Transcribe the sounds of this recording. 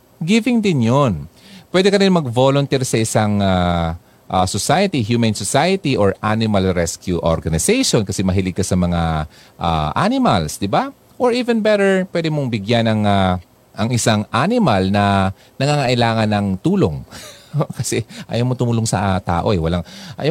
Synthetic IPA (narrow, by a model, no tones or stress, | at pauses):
ɡivɪŋd̪ɪnjonpwɛːd̪ɛkɐɾɪnmɐɡ̚volʊnt̪ɛɹsɐʔɪsaŋa | ʔasosajɐt̪iɦjumɛnsosajɐt̪iʔoɹʔanɪmɐlɹɛskjuʔo̰ɹɡɐnɪsɛjʃonkɐsɛmɐɦilɪɡ̚kɐsɐmɐŋa | ʔa̰ʔanɪmɐlsd̪ɪba | ʔoɹʔiːvɛnbɛɾɛɹpwɛːd̪ɛmoŋbɪɡjanɐŋa | ʔɐŋɪsaŋʔanɪmɐlnɐ | nɐŋaŋɐʔɪlaːŋɐnːɐŋt̪uːloŋ | kɐsɛʔɐ̰jɐwmot̪ʊmuːloŋsɐt̪a̰ːʔo̞̰ʔɛwɐlaŋʔɐjɐ